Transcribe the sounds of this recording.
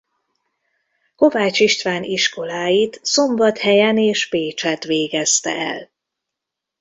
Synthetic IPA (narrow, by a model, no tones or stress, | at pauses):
ko̞vaːt͡ʃiʃt̪ʋaːniʃko̞laːjit̪so̞mbɒt̪hɛjɛneːʃpeːt͡ʃɛt̪ʋeːɡɛst̪ɛ̰ɛ̰l